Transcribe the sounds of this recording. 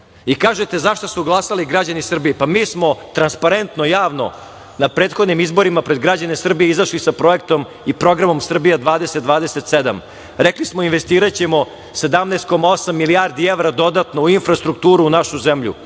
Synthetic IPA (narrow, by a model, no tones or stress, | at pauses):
ikaːʒet̪e̞zaʃt̪osuɡlˠasaliɡɾad͡ʑanisr̩bijepamiːsmo̞t̪ɾanspaɾe̞nt̪nojaːʋno̞̰ | napɾeːt̪xod̪nimizbo̞ɾimapɾe̞d̪ɡɾad͡ʑane̞sr̩bijeizaʃlisapɾo̞ek̚t̪o̞m | ipɾo̞ɡɾamo̞msr̩bijad̪ʋaːd̪eset̪d̪ʋaːd̪eset̪sed̪am | ɾeklismoinʋest̪iːɾat͡ɕemo̞ | se̞d̪amneːst̪̚ko̞maosamːiliaɾd̪ieʋɾad̪o̞d̪at̪no̞uinfɾast̪ɾuk̚t̪uːɾuːnaʃuzemʎṵ